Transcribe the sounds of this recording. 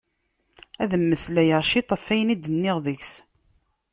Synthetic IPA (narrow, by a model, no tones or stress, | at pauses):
æðəmːəslæjəʁʃit̪ˤəfːæjnid̪ənːɪʁðəçs